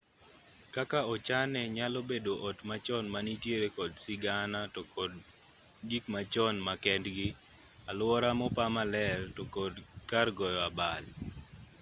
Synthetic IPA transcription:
kakaɔt͡ʃanɛɲalɔbedoʔɔtmat͡ʃɔnmanitjeɾekɔdsɪɡanatɔkɔd | d͡ʒikmat͡ʃɔnmakɛndɡɪ | alwɔɾamɔpamalɛrtɔkɔdkarɡɔjɔabal

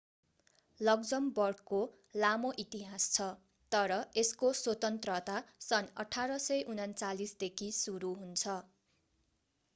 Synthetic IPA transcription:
lʌɡd͡zʌmbʌrko | lamoʔit̪iɦast͡sʰʌ | t̪ʌɾʌeskoswot̪ʌnt̪rʌt̪asʌnʌ̰ʈʰaɾʌsʌjʔunʌnt͡salisd̪ekʰisuɾuɦunt͡sʰʌ

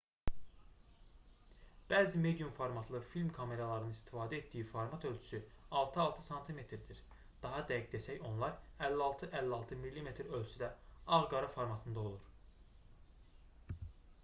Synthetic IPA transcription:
b̥æːzime̞d̪ijumfoɾmɑt̪ʰlˠɯɾfilʲmkʰɑme̞ɾɑlˠɑɾɯnɯnist̪i̥fɑːd̪æet̪̚d̪ijifoɾmɑt̪ʰø̞lʲt͡ʃʰy̥sy | ɑlˠt̪ʰɯɑlˠt̪ʰɯsɑnt̪ʰime̞t̪ʰɾd̪iɾ | d̪̥ɑɦɑd̪æɡid̪esæço̞nlˠɑɾælːiɑlˠt̪ʰɯʔælːiɑlˠt̪ʰɯmilːime̞t̪ɾø̞lʲt͡ʃʰyd̪æɑʁɡɑɾɯfo̞ɾmɑt̪ʰɯnd̪ɑo̞lˠuɾ

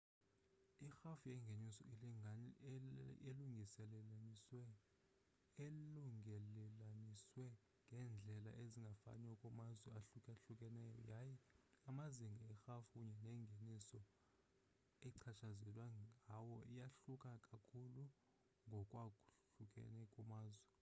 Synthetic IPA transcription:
ixafujɛŋɡʱenisɔ̰i | eluŋɡʱisɛlɛswɛ | eluŋɛlɛlaniswɛ | ŋɡʱɛnd͡ɮʱɛla̰ʔeziŋɡʱafa̰nɛkʼɔmazwɛaɬukʼaɬukʼɛnɛjɔ̰jaːjɛamaziŋɡʱiɛxafukuɲɛnɛːŋɡʱenisɔ | ɛǀʰat͡ʃʰazɛlwaawɔijaɬukʼakʼakʰulu | ŋɡʱɔkʼwakʼuɬukʼɛ̰nɛkʼumaːzwɛ

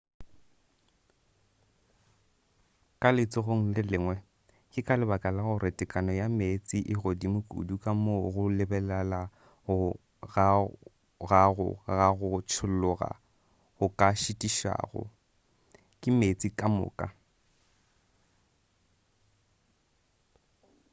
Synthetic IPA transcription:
kʼalɪt͡sʼɪɣʊŋ̩lɪlɪŋwɛ | kʼɪkʼalɪbakʼalaɣʊrɪtʼɪkʼanɔjamet͡sʼiʔɪɣodimʊkʼṵdukʼamoɣʊlɪbɛlala | ɣʊ | ɣa | ɣaɣʊ̰ɣaɣʊt͡ʃʰʊl̩lʊɣa̰ | ɣʊkʼaʃɪtʼiʃa̰ːɣʊ̰ | kʼɪmet͡sʼikʼamʊ̰ːkʼa̰

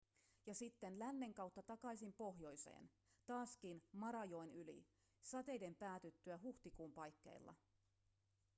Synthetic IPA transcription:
jɑsit̪ːe̞nlænːe̞ŋkɑwt̪ːɑt̪ɑkɑjsimpo̞ɦjo̞jse̞̰ːn | t̪ɑːsk̟inmɑɾɑjo̞jnylḭ | sɑt̪e̞jde̞mpæːt̪yt̪ːyæɦuht̪ikuːmpɑjkːe̞̰jlːɑ̰

